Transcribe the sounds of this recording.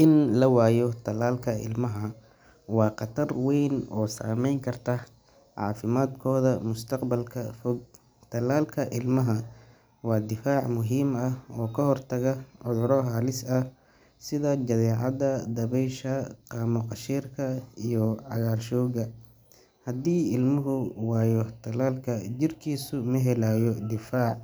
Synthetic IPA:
ʔɪnlɐwaːjɔt̪ʰɐlaːlkʰɐɪ̰lmɐɦɐ | wɑːqɑt̪ʰɐrwɛjnɔːsa̰ːmɛjŋkʰɐrt̪ʰɐ | ʕɑ̰ːfɪmaːd̪kʰɔːðɐmʊst̪ʰɐqbɐlkʰɐfɔɡ̚ | t̪ʰɐlaːlkʰɐʔɪlmɐɦɐ | wɑːd̪ɪfaːʕmʊɦiːmɐɔːkʰɐɦɔrt̪ʰɐɣɐʕʊðʊɾɔɦaːlɪsɐ | sɪðɐd͡ʒɐðɛːʕɑd̪ɐd̪ɐβɛjʃɐqɑːmʊqɑʃiːrkʰɐijɔʕɑ̰ɣaːlʃɔːɣɐ | hɐd̪iːɪlmʊɦʊwɑːjɔt̪ʰɐlaːlkʰɐd͡ʒɪrkʰiːsʊmɐɦɛlaːjɔd̪ɪfaːʕ

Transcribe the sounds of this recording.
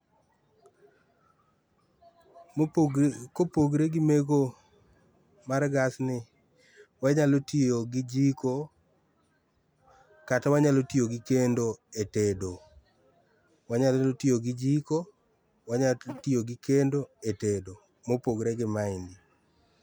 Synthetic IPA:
kopoɡɾeɡɪmeɡo | marɡasnɪ | waɲalotioɡɪd͡ʒiko | katawaɲalotioɡɪkendoetedo | waɲalotioɡɪd͡ʒiko | waɲatioɡɪkendoetedo | mopoɡɾeɡɪmaɪndi

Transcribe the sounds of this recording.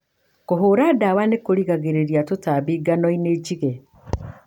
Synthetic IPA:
koɦuɾadawanekoliɣaɣeɾeɾjatutaβiɡanoineɟiɣe

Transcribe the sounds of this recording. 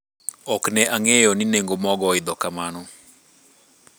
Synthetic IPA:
ɔknɛʔaŋejɔnineŋɡomɔɡɔɪd̪ɔkamanɔ

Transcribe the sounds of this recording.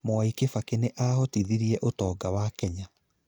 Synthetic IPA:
moaikefakeneʔaːhɔtiðiɾiɛʔotɔːɡawakɛɲa

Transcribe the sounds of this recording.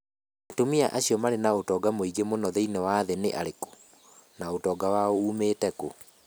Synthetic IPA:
atomia̰ʔaɕiɔmaɾenaotɔɡamoiɡemonɔðeinewaðenḛʔaɾeko̥ | naotɔːɡawaouːmeːtɛko

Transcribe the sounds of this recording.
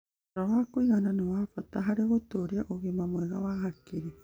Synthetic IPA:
ɾawakoiɣananowapat̪aɦaɾeβot̪oɾiaʔoɡimamoeɣaβaɦakːiɾi

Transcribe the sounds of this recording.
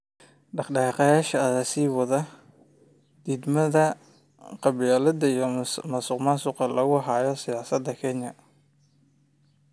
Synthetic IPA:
ɖɑχɖɑqɑjaːʃɐːðasiːwɑðɐ | d̪̥iːd̪mɐðɐ | qɑβɪjaːlɐd̪ɐijɔmɐsʊqmasʊqɐlɐɣʊɦaːjɔsɪjaːsɐd̪ːɐkʰɛɲɐ

